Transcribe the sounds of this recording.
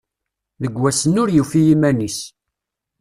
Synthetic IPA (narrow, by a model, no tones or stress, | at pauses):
ðəɡwæsənʊɾjifijimænis